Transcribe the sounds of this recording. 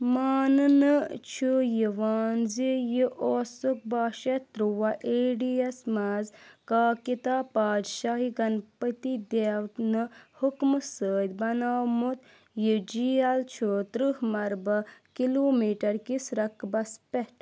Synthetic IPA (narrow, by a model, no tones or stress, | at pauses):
maːnɨnɨt͡ʃʰujiʋaːnzijiʔoːsuk̚baːʃɐt̪ɾuʋaʔeːɖiɐsmaːzkaːkit̪aːpaːd̪ʃaːɦiɡɐnpət̪id̪eːwt̪nɨhukmɨsəːd̪bɐnaːwmut̪ | jid͡ʒiːɐlt͡ʃʰut̪ɾɨhmɐɾbɐkiloːmiːʈɐɾkisɾɐkʰbɐspɛʈ